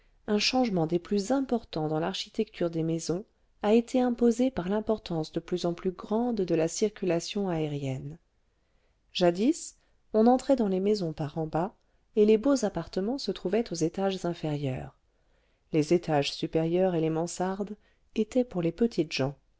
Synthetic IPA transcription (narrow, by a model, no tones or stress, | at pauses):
ɛ̃ʃɑ̃ʒmɑ̃d̪eplyzɛ̃pɔʁt̪ɑ̃d̪ɑ̃laʁʃi̥t̪ɛkt̪ʰyʁd̪emezɔ̃ | aet̪ʰeɛ̃pozepaʁlɛ̃pɔʁt̪ɑ̃sd̪əplyzɑ̃plyɡʁɑ̃d̪ːəlasiʁkʲylasjɔ̃aeʁjɛn | ʒ̥ad̪is | ɔ̃nɑ̃t̪χɛd̪ɑ̃lemezɔ̃paʁɑ̃ba | elebozapaʁt̪əmɑ̃sət̪χuvɛt̪ozet̪aʒzɛ̃feʁjœ̰ːʁ | lezet̪aʒsypeʁjœʁelemɑ̃saʁd̪ | et̪ʰɛpuʁlepət̪ʰit̪ʒ̥ɑ̃